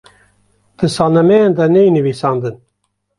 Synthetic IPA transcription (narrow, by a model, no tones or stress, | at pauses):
d̪̥ɨsɑːlnɐmɛjend̪ɛnejinɨvisɑːnd̪ɨn